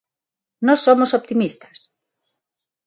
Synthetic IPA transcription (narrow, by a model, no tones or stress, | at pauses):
nɔsːomosop̚t̪imist̪ɐ̥s